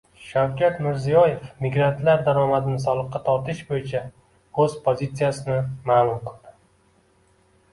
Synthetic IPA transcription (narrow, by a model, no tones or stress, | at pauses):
ʃawkʲʰat̪mɪɾzijɒje̞fmɪɡɾant̪laɾd̪aɾɒmad̪ɪnɪsɒlˠɨqːɑt̪ʰɒɾt̪ʰɪʃbojɪt͡ʃʰa | ɵzpʰozit̪sijasɪnɪmaːlˠʊmqʰɨlˠd̪̥ɪ